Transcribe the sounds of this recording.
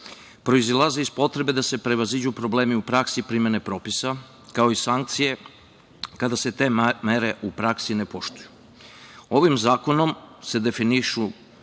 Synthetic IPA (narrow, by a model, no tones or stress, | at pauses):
pɾo̞izlˠazeispo̞t̪ɾe̞be̞d̪ase̞pɾe̞ʋazid͡ʑupɾo̞ble̞ːmiupɾaksipɾimje̞ne̞pɾo̞pisa | kao̞isaŋk̚t̪sije̞ | kad̪ase̞t̪e̞ːmeɾe̞ʔupɾaksine̞po̞ʃt̪uju̥ | o̞ʋimzaːko̞no̞mse̞d̪e̞finiʃu